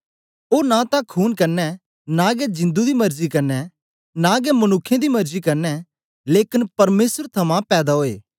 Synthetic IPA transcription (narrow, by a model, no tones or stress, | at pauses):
oːnãt̪ãkʰuːnkɐɾnɛ | nãɡɛd͡ʒɪ̃nd̪ud̪imɐɾzikɐɾnɛ | nãɡɛmɐnʊkʰːjẽd̪imɐɾzikɐɾnɛ | leːkɪnpɐɾmeːsəɾt̪ʰɐmãpɛːd̪aɦoːḛː